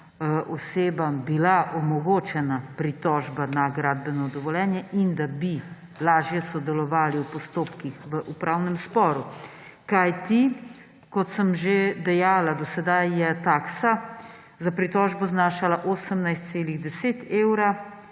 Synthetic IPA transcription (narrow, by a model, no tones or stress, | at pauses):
ʔɔseːbambilaʔɔmɔɡoːt͡ʃɛnapɾit̪ɔʒbanaɡɾaːd̪̚bɛnɔd̪ɔʋɔljɛːnjɛʔind̪abi | laːʒjɛsɔd̪ɛlɔʋaːliwpɔst̪oːpkixʋəʔupɾaːwnɛmspɔːɾu | kajt̪i | kɔt̪səmʒed̪ɛjaːlad̪ɔsɛd̪ajːɛt̪aːksa | zapɾit̪ɔːʒbɔznaːʃalaʔoːsəmnajst̪seːliɣd̪ɛseːt̪eːwɾa